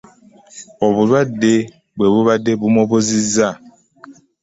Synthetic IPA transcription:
ɔbuβade | bwebuβadebumɔboziza

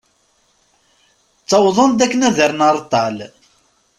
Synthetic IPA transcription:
t͡sːɑwðˤənd̪ækːənæðəɾnɑɾˤt̪ˤːɑl

